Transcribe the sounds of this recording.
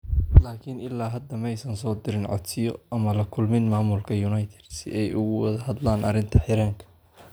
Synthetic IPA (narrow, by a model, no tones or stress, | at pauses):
laːkʰɪnɪlːaːɦɐd̪ɐmɛjsɐnsɔːd̪ɪɾɪnʕɔ̰d̪sɪjɔʔɐmɐlɐkʰʊlmɪnmaːmʊlkʰɐjʊnɐjt̪ʰɛ̥d̪sɪ̰ʔɛjʔʊɣʊwɐðɐɦɐd̪laːnʔɐ̰ɾɪnt̪ʰɐħɪɾɛːŋkʰɐ̥